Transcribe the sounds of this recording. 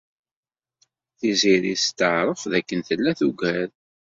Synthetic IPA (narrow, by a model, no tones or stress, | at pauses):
θiziɾist̪əʕɾˤəfðækːənθəlːæθuɡæɾ